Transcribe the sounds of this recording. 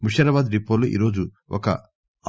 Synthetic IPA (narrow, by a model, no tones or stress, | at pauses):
muʃɐɾɐbaːd̪ɾipːoːluʔḭːɾo̞ːd͡ʒu | ɔkɐ̰